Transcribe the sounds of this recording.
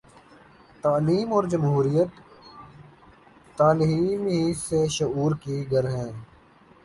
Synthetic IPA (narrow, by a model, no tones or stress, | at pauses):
t̪aːliːmɔːɾd͡ʒəmɦuːɾijət̪ | aːlɦiːnɦiseʃʊuːɾkiɡəɾɦɛ̃ː